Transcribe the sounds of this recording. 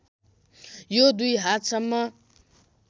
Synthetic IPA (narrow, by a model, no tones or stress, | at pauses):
jod̪ujɦat̪sʌmːʌ